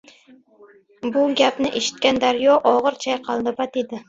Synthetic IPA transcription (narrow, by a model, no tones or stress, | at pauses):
bʊɡʲapnɪʔeʃɪ̥t̪̚kʲand̪aɾjɒʔɒʁɨɾt͡ʃʰajqʰɑlˠnɪpat̪ed̪ɪ